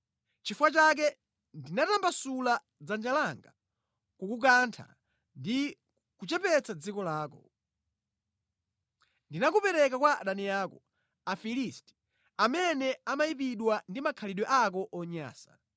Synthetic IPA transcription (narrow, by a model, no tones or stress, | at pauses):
t͡ʃifuwat͡ʃak̬ɛ | ndinatambasula | d͡zand͡ʒalaŋɡa̰ | kukuk̬antʰa̰ | ndi | kut͡ʃɛpɛt͡sad͡zikɔlaːkɔ | ndinakupɛɾɛkakwaɗaniaːkɔ | afilisti̥ | amɛnɛamaip̬iɗwandimakʰaliɗwɛʔak̬ɔʔɔɲa̰ːsḁ